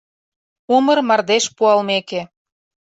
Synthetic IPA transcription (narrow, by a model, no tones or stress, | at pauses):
umərmɑrd̪eʃpuɑlmekĕ